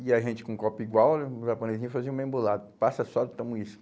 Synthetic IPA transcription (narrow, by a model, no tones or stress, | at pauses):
iaiʒẽnt͡ʃɪ̥kõkɔpiɡwawʒapõnezĩɐfaziũmẽmbulad̪ɐpasɐsɔd̪t̪ɐ̃mũis